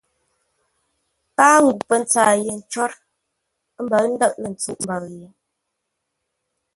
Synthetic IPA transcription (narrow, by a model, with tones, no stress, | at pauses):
kaː˦ŋ˦ɡu˨pə˦n̩˦t͡saː˨je˨n̩˨˦t͡ʃɔ˦ɾ | m̩˦bə˨ln̩˦də˦ʔlə˨n̩˨t͡su˦ʔm̩˨bə˨ɣje˨